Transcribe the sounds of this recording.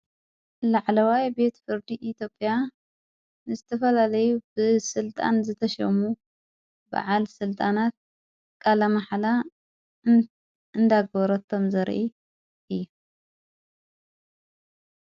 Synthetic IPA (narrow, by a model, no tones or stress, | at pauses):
laʕlɐwajbe̞t̪fɨɾd̪iʔit̪ʰjo̞pʼːja | nɨzɨt̪ʰɐfɐlalɐjubɨsɨlt̪ʼa̰nzɨt̪ʰɐʃɐ̰mu | ba̰ʕalsɨlt̪ʼanat̪̚ | kʼalɐmaħla | ɨnd̪aɡbɐɾot̪ʰːomzɐɾʔi | ʔɨjːu